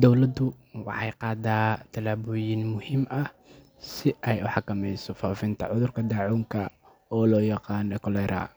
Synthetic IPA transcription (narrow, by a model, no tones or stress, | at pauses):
d̪ɔwlɐd̪ʊ | wɑ̰ħɑjqɑːd̪aːt̪ʰɐlaːβɔːjɪnmʊhɪmʔɐh | sɪʔɛjʊħɑkɐmɛjsɔfaːfɪnt̪ʰɐ̰ʕʊðʊrkʰɐd̪ɑʕuːŋkʰɐ | ɔːlɔːjɑqɑːnɛkʰɔlɛːɾʔa̰ː